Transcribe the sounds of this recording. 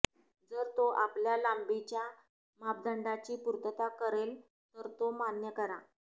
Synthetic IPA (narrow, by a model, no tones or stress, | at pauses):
d͡zəɾt̪oʔapljalambit͡ɕja | map̚d̪əɳɖat͡ɕiːpuɾt̪ət̪akəɾel | t̪əɾt̪omanjəkəɾa̰